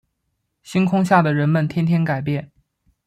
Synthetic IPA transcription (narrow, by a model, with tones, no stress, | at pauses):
ɕi˥nkʰʊ˥ŋɕja˥˩d̪ə˩ɻə˧˥nmə˨nt̪ʰjɛ˥nt̪ʰjɛ˥nka˨˩ɪpjɛ˥˩n